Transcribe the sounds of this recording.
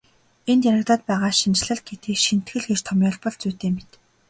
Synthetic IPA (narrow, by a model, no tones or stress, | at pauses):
ent̪jæɾə̆kt̪aːt̪̚pæːʁaːʃint͡ɕ̆ɮə̆ɮ̚ɡet̪eːʃin̥t̪ɡɘ̆ɮɡet͡ɕt̪ʰɔmʲjɔɮpɔɮt͡suːt̪eːmet̪